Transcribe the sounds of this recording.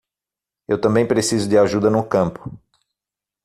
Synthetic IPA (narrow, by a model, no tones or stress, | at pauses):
ewt̪ɐ̃mbẽj̃pɾesizʊd̪ɪaʒud̪ɐnʊkɐ̃mpʊ̥